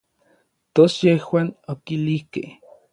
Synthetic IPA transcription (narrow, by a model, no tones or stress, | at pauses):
t̪osjehwaːnokilihkeh